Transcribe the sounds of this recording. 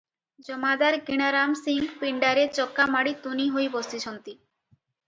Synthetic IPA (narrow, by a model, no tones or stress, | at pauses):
d͡ʑɔmad̪aɾɡiɽ̃aɾamsiŋɡpiɳɖaɾeɾt͡ɕɔkːamaɽit̪uniɦojbost̪iʃɔnt̪i